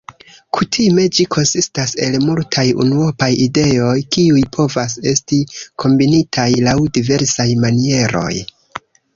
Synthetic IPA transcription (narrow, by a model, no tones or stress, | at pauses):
kʰutʰime̞d͡ʒikʰo̞nsistase̞lmultʰajṵnuopajide̞o̞jkiujpʰo̞vas̬e̞stikʰo̞mbinitʰajlawdive̞ɾsajmanie̞ɾʔo̞̰j